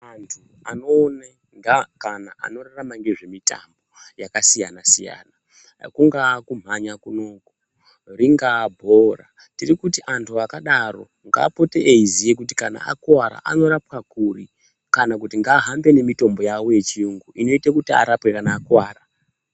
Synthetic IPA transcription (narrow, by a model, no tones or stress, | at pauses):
antʰu | anoːne | ŋɡakanaʔa̰no̞raramaŋɡe̞ʐe̞mita̰mbo̞jakasijanasija̰ːna | kuŋɡaːkum̤aɲakuno̞ːku | riŋɡaːbʱo̞ra̰ | tirikutiʔantʰuakaɗaro̞̰ | ŋɡa̰ːpo̞te̞ʔeizijek̬utikana̰a̰kwaɾa̰ʔa̰no̞ɾapkakuri | kanak̬utiŋɡaːɦambe̞ne̞mito̞mbo̞jawo̞je̞t͡ʃiuŋɡuʔino̞itekutia̰ɾapwe̞kanaːkwaːɾa